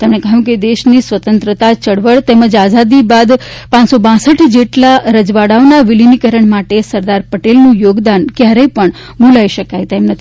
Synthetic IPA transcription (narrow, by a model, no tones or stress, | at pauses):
t̪emɳ̃ekəɦjũked̪eʃnisʋət̪ənt̪ɾət̪at͡ʃəɽʋəɭt̪eməd͡ʒazad̪ibad̪pãnsobãsəʈʰd͡ʒeʈlaɾəd͡ʒʋaɽaonaʋilinikəɾəɳmaʈesəɾd̪aɾpəʈelnũjoɡd̪ankjaɾəjpəɳ | ɡulaiʃəkajt̪emnət̪ʰ